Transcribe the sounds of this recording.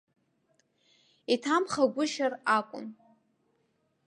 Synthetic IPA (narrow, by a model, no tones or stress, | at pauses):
itʰamχaɡʷʊʃarakʷʼʊ̰n